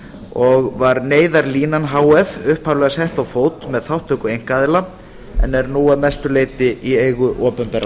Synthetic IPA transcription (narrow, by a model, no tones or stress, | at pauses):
ɔɣvaɾneːjðaɾliːnanɦaːwɛvʏhphawlɛɣashɛht̪awfoːwt̪mɛðθawht̪ːʏkʏejŋ̥kaːðɪla | ɛ̰nːɛɾnuːamɛst̪ʏleːjt̪ɪʔieːjɣʏʔɔːpʏmpɛɾa